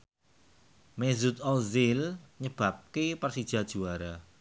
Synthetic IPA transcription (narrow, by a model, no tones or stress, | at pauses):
mezut̪ɔlzɪlɲəb̥ä̤p̚kepərsid̥ʒ̥a̤d̥ʒ̥uaɾa